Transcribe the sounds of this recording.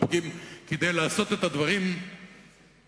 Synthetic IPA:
ɡimked̪ejlaːso̞t̪et̪ad̪vaʁim

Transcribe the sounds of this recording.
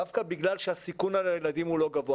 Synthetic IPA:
afkabiɡlalʃehasikunalajelad̪imhulo̞ɡavo

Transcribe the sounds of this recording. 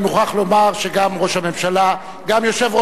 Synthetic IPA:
muχaχlo̞maʁʃeɡamʁo̞ʃhame̞mʃala | ɡamjo̞ʃe̞vʁo

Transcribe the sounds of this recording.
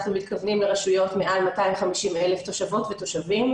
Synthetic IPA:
χnumit̪kavnimleʁaʃujo̞tmeʔalmataimχamiʃimeleft̪o̞ʃavo̞tveto̞ʃavim

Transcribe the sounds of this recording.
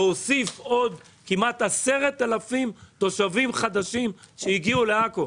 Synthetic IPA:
osifo̞d̪ | kimat̪hase̞ʁet̪ːalafimt̪o̞ʃavimχad̪aʃim | ʃeiɡiule̞ako

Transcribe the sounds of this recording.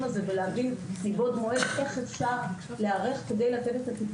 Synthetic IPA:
maze̞veleavinlibo̞d̪moedeχet͡sla | leaʁeχke̞d̪e̞jlat̪e̞t̪e̞t̪at̪ip

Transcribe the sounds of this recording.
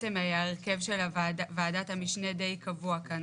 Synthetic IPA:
emajaeʁke̞vʃelavaːdat̪hamiʃne̞de̞jkavuaka

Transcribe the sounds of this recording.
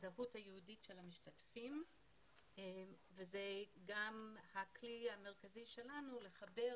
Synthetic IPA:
zaɦuthajehuditʃe̞lhamiʃtatfim | vezeɡamhakliame̞ʁ̞kaziʃe̞lanule̞χabe̞

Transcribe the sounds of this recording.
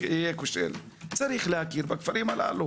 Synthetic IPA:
ekuʃḛl | t͡saɾiːxlhakiɾbakfaɾiːmala̰lu

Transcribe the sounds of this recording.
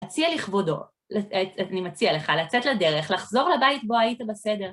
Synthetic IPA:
t͡sialiχvodo̞̰ | lanimat͡siale̞χalat͡setlade̞ʁe̞χlaχzo̞ʁlabaitbo̞ajitabesede̞ʁ

